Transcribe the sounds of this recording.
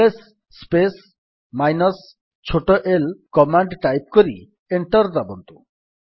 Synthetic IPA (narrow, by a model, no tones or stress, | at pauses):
esː | pes | majnɔs | t͡ʃʰoʈoʔelkɔmaɳɖʈajp̚koɾi | eɳʈɔɾd̪abɔnt̪u